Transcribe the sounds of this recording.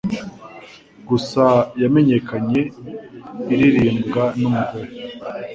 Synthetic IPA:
ɡusajame̞ɲe̞kʰaɲe̞ | iɾiɾiːmbɡanumuɡoɾo

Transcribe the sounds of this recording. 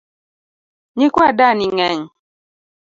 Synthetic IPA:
ɲikwadaniŋɛɲ

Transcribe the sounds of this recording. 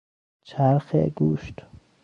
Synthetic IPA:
t͡ʃʰæɾxḛɡuːʃt̪

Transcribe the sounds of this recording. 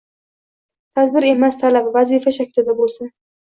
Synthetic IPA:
t̪ʰad̪bɪɾe̞mast̪ʰalabvazifaʃakʲʰɪlɪd̪abolˠsan

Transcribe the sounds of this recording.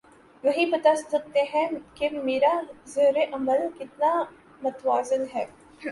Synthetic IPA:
ʋɐɦibɐt̪assɐk̚t̪eɦɛ̃kemeːɾazɐːɾeʔɐməlkɪt̪na | mɐt̪ʋaːzɪnɦɛː

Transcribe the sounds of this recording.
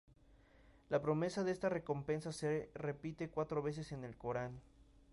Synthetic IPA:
lapɾo̞me̞saðeest̪are̞ko̞mpe̞nsasere̞pit̪e̞kwat̪ɾo̞βe̞s̬e̞se̞ne̞lko̞ɾan

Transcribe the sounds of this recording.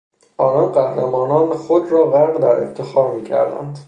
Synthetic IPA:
ʔɒːnɒnɢæhɾæmɒːnɒːneχod̪ɾɒːɣæɾʁd̪æɾḛft̪ʰe̞xɒːɾmiːcʰæ̰ɾd̪æ̰nd̪

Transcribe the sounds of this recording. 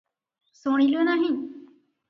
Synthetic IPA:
soɽ̃ĩlunaɦĩ

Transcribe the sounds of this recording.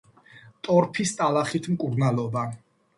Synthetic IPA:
t̪ʼɔɾpʰist̪ʼalaχit̪ʰmkʼuɾnalɔba

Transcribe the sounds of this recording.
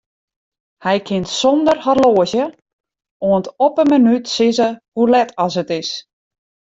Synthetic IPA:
hɛjkʰɪntsɔndərharloːəzjə | oəntɔpəmənytsɪzəhulɛtʰɔsətɪs

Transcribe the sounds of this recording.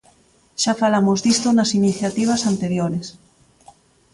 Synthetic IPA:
ʃafalamozðist̪onasiniθjat̪iβ̞asant̪eɾjoɾes

